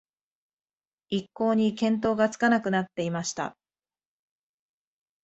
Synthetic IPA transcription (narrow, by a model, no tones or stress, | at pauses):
ikːo̞ːɲ̟ikẽ̞nt̪̬o̞ːɡat͡sɨ̥kanakɯ̟nat̪ːe̞imaɕi̥t̪a̰